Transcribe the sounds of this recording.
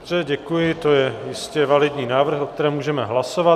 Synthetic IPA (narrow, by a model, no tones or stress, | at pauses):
brɛɟɛkujɪt̪o̞jɛjɪscɛvalɪd̪ɲiːnaːvr̩xʔok̚t̪ɛɾɛːmuːʒɛmɛɦlaso̞va